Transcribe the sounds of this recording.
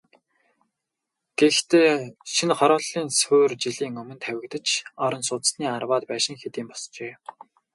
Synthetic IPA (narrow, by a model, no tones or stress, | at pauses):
ɡ̥ext̪eːʃinχɔɾɔːɮiːnsoːrt͡ɕiɮiːŋɵmɵ̆nt̪ʰæwʲɪ̆kt̪ə̆t͡ɕɔɾɞ̆nsʊːt͡s̪sniːarwaːt̪pæːʃɪ̆ŋxet̪iːmpɔst͡ɕeː